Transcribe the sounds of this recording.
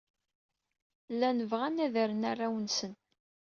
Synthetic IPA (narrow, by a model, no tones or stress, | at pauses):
lːænəvʁænæðəɾənarˤːawənsən